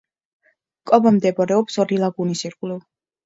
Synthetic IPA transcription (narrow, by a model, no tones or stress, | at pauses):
kʼɔbamd̪ɛbɔɾɛɔpsɔɾilˠaɡunisiɾqʼliv